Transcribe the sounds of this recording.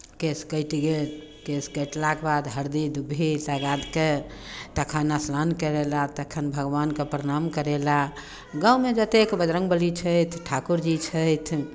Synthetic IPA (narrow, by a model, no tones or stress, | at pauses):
keskəɪt̪iɡel | keskəjʈlakebad̪ɦəɾd̪id̪ubʱiləɡad̪ket̪əkʰənaslankəɾelat̪əkʰənbʱəɡbankepɾəɾamkəɾela | ɡaumed͡ʒət̪ekbəd͡ʒ̪ɾə̃ŋɡbəlit͡ʃʰəjt̪ʰʈʰakuɾd͡ʒit͡ʃʰəjt̪ʰ